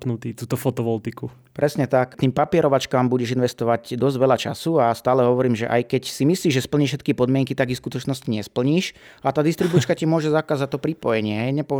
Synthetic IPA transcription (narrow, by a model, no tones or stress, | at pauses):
pnut̪iːt̪uːt̪ɔfɔt̪ɔʋɔlt̪iku | pɾɛsɲɛt̪akt̪iːmpapɪɛɾɔʋat͡ʃkaːmbuɟɛʒinʋɛst̪ɔʋaɟd̪ɔzɟʋɛʎat͡ʃa̰suast̪aːlɛɦɔʋɔɾiːmʒɛ̰ʔa̰jkɛcsimisliːʒʒɛspl̩ɲiʃɛt̪̚kipɔd̪mɪɛŋkit̪aɡiskut̪ɔt͡ʃnɔsciɲɛspl̩ɲiːʃat̪aːd̪ist̪ɾibut͡ʃkacimʊɔʒɛzakaːzac̚t̪ːɔpɾipɔjɛɲɪɛɦɛjɲɛpɔ